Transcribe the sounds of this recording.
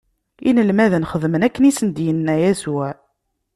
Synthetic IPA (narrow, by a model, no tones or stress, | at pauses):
inəlmæðənχəðmənækːənisənd̪jənːæjæsʊʕ